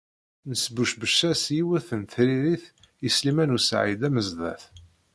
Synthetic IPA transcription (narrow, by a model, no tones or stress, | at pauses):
nəsbuʃbəʃːæsjiwæθənθɾiɾiθ | jislimænusʕid̪æməzðæ̰θ